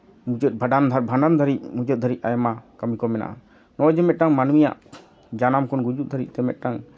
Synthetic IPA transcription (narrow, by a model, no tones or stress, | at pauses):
mud͡ʒət̪̚bʱəɖand̪ʱaɾbʱanand̪ʱəɾic̚mud͡ʒət̪̚d̪əɾit̪̚ajɔmakəmikɔmɛna̰ʔa | nɔd͡ʒɛmɛt̪̚ʈaŋmanwija̰ʔ | d͡ʒanamkɔnɡud͡ʒut̪̚d̪ʱəɾit̪̚t̪ɛmɛt̪̚ˀʈaŋ